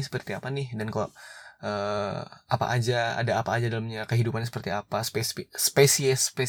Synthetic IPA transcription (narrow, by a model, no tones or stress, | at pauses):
sə̥pərt̪iapanɪhdankalaʔə | ʔapa̰ʔad͡ʒaa̰daːpaːd͡ʒadalamɲakəɦidupansəpərt̪iapaspesspesiɛspe